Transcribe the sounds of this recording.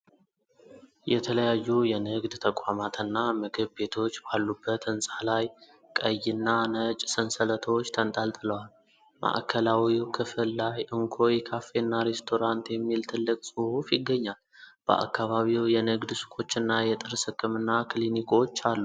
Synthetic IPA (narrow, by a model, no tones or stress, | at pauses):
jɛt̪ʰələjajːujɛnɨɡd̪t̪ʰəkʼamat̪ɨnːamɨɡɨβbe̞t̪ʰo̞t͡ʃːbalːubːət̪ɨnsʼalaj | kʼəjːɨnːanət͡ʃʼsɨnsələt̪ʰəwot͡ʃːt̪ʰənt̪ʼalt̪ʼɨləwal | mʔa̰ʔkʰəlawikʰɨfɨlːajʔɨŋkʰo̞jikʰafe̞nːaɾe̞st̪ʰo̞ɾant̪jɛmːilt̪ʰɨlːɨkʼsʼɨhufjɪɡːəɲːal | b̥ə̰ʔa̰kːaβaβiwjɛnɨɡd̪sɨ̥kʰo̞t͡ʃːɨnːajɛt̪ʼɨɾsɨkʼːɨmɨnːaklinikʰo̞t͡ʃːalːu